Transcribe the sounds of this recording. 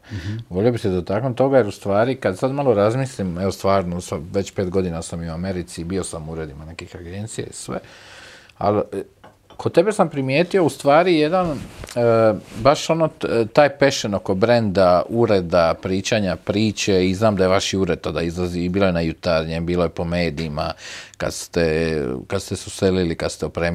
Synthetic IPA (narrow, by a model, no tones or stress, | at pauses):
ʋo̞lʲijo̞bised̪ot̪aknot̪o̞ɡajeɾust̪ʋaːɾikad̪sad̪malˠoɾazmislimeʋo̞st̪ʋaːɾnosaʋe̞t͡ɕpeːt̪ɡo̞d̪inasamiuame̞ɾit̪sibio̞samuɾe̞d̪imane̞kixaɡe̞nt̪sija̰isʋḛ | a̰l | kʰod̪̚t̪e̞be̞sampɾimjeːt̪io̞ust̪ʋaːɾijed̪an | baʃo̞not̪aːjpe̞ʃeno̞ko̞bɾe̞nd̪auɾe̞d̪apɾiːt͡ɕaːɲapɾiːt͡ɕeiznaːmd̪ajeʋaʃiuɾe̞d̪̚t̪ad̪aizlˠaziːbiːlˠojenajut̪aɾɲe̞mbiːlojepo̞me̞ːd̪iːma̰ka̰d̪st̪ekad̪st̪esuselilikad̪st̪eopɾe